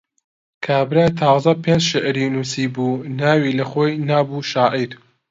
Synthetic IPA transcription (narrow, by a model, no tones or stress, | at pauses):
kʰaːbɾaːjt̪ʰɑːwzɐpend͡ʒʃeʔɾiːnuːsiːbuːnaːwiːlɐχoːjnaːbuːʃaːʔiɾ